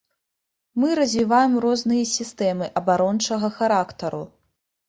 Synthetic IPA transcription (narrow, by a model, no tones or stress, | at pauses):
mɨɾɐzʲvʲivajɛmrɔznɨjɐsʲist̪ɛmɨʔɐbaɾɔnt͡ʂɐɣɐxaɾakt̪ɐɾṵ